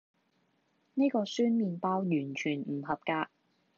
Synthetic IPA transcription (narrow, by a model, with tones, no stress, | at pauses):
ne˥jkɔː˧syː˥nmiː˨npaː˥wjyː˨˩nt͡ʃʰyː˨˩nm̩˨˩ɦɐ˨p̚kaː˧